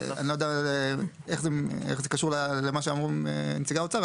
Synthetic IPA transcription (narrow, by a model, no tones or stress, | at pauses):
a̰nilojd̪ea | eχzeḛχzekaʃuʁlalemaʃ̬eamʁuḛnt͡siɡaot͡saʁ